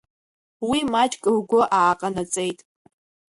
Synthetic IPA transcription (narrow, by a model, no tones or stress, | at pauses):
wimat͡ʃʼkʼɨrɡʷʊʔaːqʼanat͡sʼejtʼ